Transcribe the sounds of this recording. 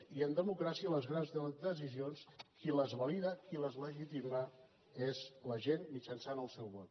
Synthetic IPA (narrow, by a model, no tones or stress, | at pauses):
iənd̪əmukɾasiələzɣɾanzd̪əs̬izionskiləzβəliðəkiləzləʒit̪imə | ezləʒenmit͡ʃənsanəlˠsɛwβɔt̪̚